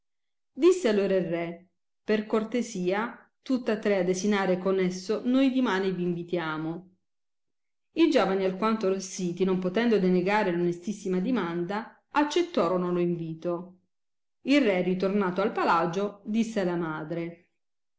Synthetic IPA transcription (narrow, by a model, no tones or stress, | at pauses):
d̪isːealoːɾairːɛ | perkort̪esiːa | t̪ut̪ːat̪ːɾead̪ːesinaːɾekonesːonojd̪imaːniviːɱvit̪jaːmo | id͡ʒɔːvanialkwant̪oɾesiːt̪inompot̪ɛnd̪od̪eneɡaːɾelonest̪isːimad̪imand̪a | at͡ʃːet̪ːɔːɾonoloiɱviːt̪o | irːɛrit̪ornaːt̪oalpalad͡ʒod̪isːealamaːd̪ɾe